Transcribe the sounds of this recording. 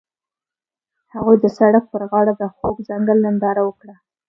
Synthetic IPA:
haɣujd̪əsaɽak̚pəɾɣɑɽad̪əxoɡzaŋɡəlːand̪ɑɾawəkɽa

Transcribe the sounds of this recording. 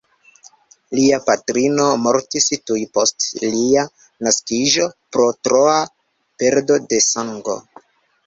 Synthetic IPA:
liapatɾino̞mo̞ɾtistujpo̞stlia | naskiʒo̞pɾo̞tɾo̞a | pe̞ɾdo̞de̞saŋɡo̞̰

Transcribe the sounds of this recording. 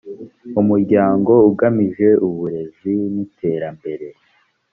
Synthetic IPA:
umuɾɟaːŋɡo̞uɡamiʒe̞ʔuβuɾe̞zinitʰe̞ːɾambe̞ɾe̞

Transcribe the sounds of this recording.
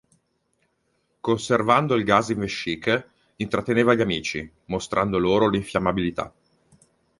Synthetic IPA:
konservand̪oilɡasiɱveʃːik | int̪ɾat̪ːeneːvaʎːamiːt͡ʃḭ | most̪ɾʔand̪oloːɾoliɱfjamːabilit̪a̰

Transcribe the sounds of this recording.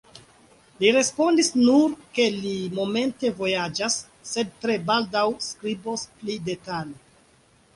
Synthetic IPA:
liɾe̞spo̞ndisnuɾke̞limo̞me̞nte̞vo̞jad͡ʒasː | e̞d̚tɾe̞baldawskɾibosplide̞tale

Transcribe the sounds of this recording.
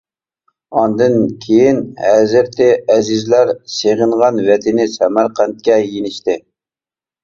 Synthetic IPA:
ɑnd̪ɨnkʲʰejinhæzɪɾt̪ʰɪɛzɪzlæɾseʁəɴʁɑnvɛt̪ʰɪnɪsɛmæɾqʰænt̪̚kʲɛjenɪʃt̪ɪ

